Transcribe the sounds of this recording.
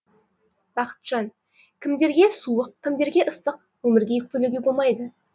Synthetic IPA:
b̥ɑqə̥t̪ʒ̥ɑn | kʲʰɪmd̪e̞ɾɡʲe̞suəqkʲʰːɪmd̪e̞ɾɡʲe̞ʔəst̪əq | wɵmɪɾɡʲe̞kʰʲpɵleɡʲebo̞lˠmɑjd̪ə

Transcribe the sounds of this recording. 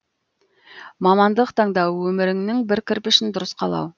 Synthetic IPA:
mɑmɑnd̪əqt̪ʰɑɴd̪ɑwwɵmɪɾɪŋnɪŋbɪɾkʲɪɾpɪʃɪnd̪ʊɾəsqʰɑlˠɑ̰w

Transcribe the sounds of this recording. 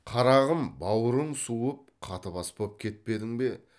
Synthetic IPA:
qʰɑɾɑʁəmbɑwəɾənsuəp̚qʰɑt̪əbɑspop̚kʲʰe̞t̪̚pe̞d̪ɪŋbe̞

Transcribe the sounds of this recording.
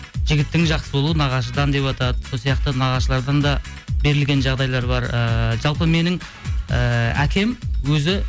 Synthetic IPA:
ʒɪɡʲɪt̪ːɪŋʒɑqsəbolˠuənɑʁɑʃ̬əd̪ɑnd̪e̞pɑt̪ɑd̪əsolˠsijɑqt̪ənɑʁɑʃəlˠɑɾd̪ɑnd̪ɑ | be̞ɾɪlɡʲe̞nʒɑʁd̪ɑjlˠɑɾbɑɾəʒɑlˠpəme̞nɪŋ | əæ̰kʲe̞mwɵzɪ

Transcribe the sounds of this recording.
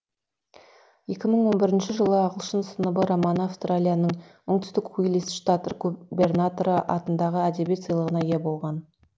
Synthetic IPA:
je̞kʲɪməɴwo̞nbɪɾɪnʃɪʒəlˠəɑʁəlˠʃənsənəbəɾomɑnafst̪ralʲijanəɴʊŋt̪ʏ̥st̪ɪkχujlisʃt̪at̪rɡube̞rnat̪oɾəʔɑ̰t̪ənd̪ɑʁəæd̪e̞bt̪sijlˠəʁənɑje̞bo̞lˠʁɑn

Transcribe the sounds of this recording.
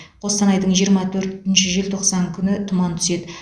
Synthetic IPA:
qʰo̞st̪ɑnɑjd̪əɴʒijəɾmɑt̪ʰɵɾt̪ɪnʃɪʒɪlt̪ʰo̞qsɑŋkʲʰʏnɪt̪ʰʊmɑnt̪ʰʏ̥se̞d̪ɪ

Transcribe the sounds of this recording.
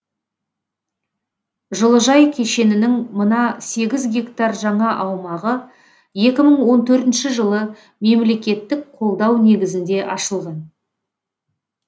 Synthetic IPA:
ʒəlˠəʒɑjkʲʰe̞ʃe̞nɪnɪŋmənɑse̞ɡʲɪzɡʲe̞kt̪arʒɑɴɑʔɑwmɑʁə | je̞kʲɪməɴwo̞nt̪ʰɵɾt̪ɪnʃɪʒəlˠə | me̞mle̞kʲe̞t̪ːɪk̚qʰo̞lˠd̪ɑwne̞ɡʲɪzɪnd̪e̞ʔɑʃəlˠʁɑn

